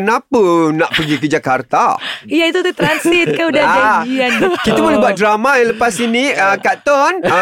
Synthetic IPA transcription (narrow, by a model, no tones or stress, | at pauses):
ənapənaʔpəɡikəd͡ʒakart̪a̰ijait̪ut̪ut̪ɾansit̪̚kaudad͡ʒa | kit̪əbolɛbuat̪̚dɾamailəpasiniəkat̪ɔn